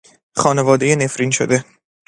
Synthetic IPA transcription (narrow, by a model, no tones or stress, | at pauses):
xɒːne̞vɒːd̪ejenefɾinʃo̰d̪e